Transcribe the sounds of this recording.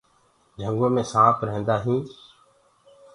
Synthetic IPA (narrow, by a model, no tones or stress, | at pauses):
d͡ʒʱəŋɡõːmẽːsãːpʰɾəɦẽːnd̪aːɦĩː